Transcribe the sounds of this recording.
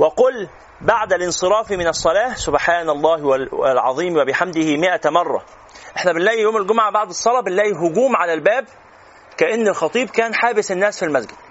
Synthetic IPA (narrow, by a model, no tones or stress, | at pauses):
wɪqʊl | baʕd̪ælʔɪnsˤɨɾˤɑːfimɪnɑsˤːɑlæːhsʊbħaːnɑlˤːɑːhwælʕɑðˤiːmwæbɪħamd̪ɪhimɪʔæmɑrˤːɑ̰ | ʔeħnæbɪnlæːʔjijoːmælɡʊmʕabaʕd̪ɨsˤːɑlɑːbɪnlæːʔiɦʊɡuːmʕalælbæːb̚ | kæʔɪnːelxɑt̪ˤiːbkæːnħaːbɪsɪnːæːsfilmæzɡɪd̪̚